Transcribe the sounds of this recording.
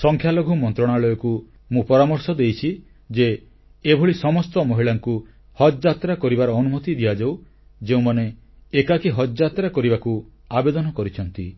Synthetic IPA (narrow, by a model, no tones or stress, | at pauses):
sɔŋkʰjaloɡʱumɔnt̪ɾɔɽ̃aɭɔjɔku | mũpɔɾamɔɾsɔd̪ejt͡ʃʰi | d͡ʒeː | bʱoɭisɔmɔst̪ɔmɔɦiɭaŋku | hɔd͡ʒd͡ʒat̪ɾakɔɾibaɾɔːnumɔt̪id̪iad͡ʒaw | d͡ʒeũmaneː | kakiɦɔd͡ʒat̪ɾakɔɾibakuabed̪ɔnɔkɔɾit͡ʃʰɔnt̪i